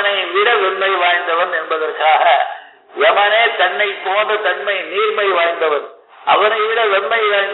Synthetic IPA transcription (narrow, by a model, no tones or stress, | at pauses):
nɐɪʋɪɽɐʋɛɳmɐɪʋaːjnd̪ɐʋɐnɛnbɐðɐrkaːɣɐ | ʔɛʋɐneːt̪ɐɳːɐɪpoːnrɐt̪ɐɳmɐɪniːɾmɐɪʋaːjnd̪ɐʋɐn | ʔɐ̰ʋɐnɐɪʋɪɽɐʋɛɳmɐɪʋaːjn